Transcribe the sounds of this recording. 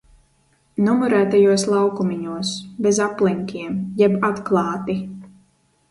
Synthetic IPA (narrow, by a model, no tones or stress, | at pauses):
nɔmɔɾæːt̪ajuɔslˠawkumiɲuɔsbɛzaplˠiŋkʲiɛmjɛbat̪klˠɑːt̪i